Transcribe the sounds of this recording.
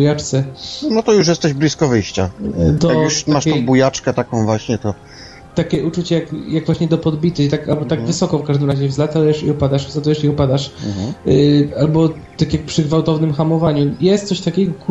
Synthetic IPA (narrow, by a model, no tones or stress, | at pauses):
jat͡ʂt̪sɛnɔt̪ɔjuʂ̬jɛst̪ɛʑblʲiskɔvɘjɕt͡ɕad̪ɔjakjuɕmaaʂtɔ̃bujat͡ʂkɛt̪akɔ̃w̃vwaɕɲɛt̪ɔ | t̪akʲɛʔut͡ʂut͡ɕɛjakjaɡvwaɕɲɛd̪ɔpɔd̪bʲit̪ɘxt̪akalbɔt̪aɡvɘsɔkɔ̃fkaʐd̪ɘmɾaʑɛvzlat̪awjɛʂiɔpad̪aʂzat̪ɔwjɛʂiɔpad̪aʂ | albɔ | t̪akʲjak̚pʂɘɡvawt̪ɔvnɘmxamɔvaɲujɛst̪sɔɕt̪akʲɛɡɔk